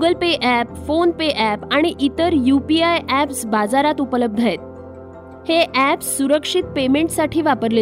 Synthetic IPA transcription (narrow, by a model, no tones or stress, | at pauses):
ɡɡəlpeʔæpfonpeʔæpaɽ̃iʔit̪əɾjupiajʔæpsbad͡zaɾat̪upələb̚d̪ʱaet̪̚ | heʔæpsːuɾəkʂit̪̚pemeɳʈsaʈʰiːʋapəɾle